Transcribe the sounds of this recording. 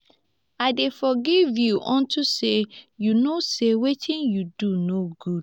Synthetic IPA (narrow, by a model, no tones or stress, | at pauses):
aɪdefɔɡivjuʔɔ̃ntʰusejunosewetʰĩnjudunoɡud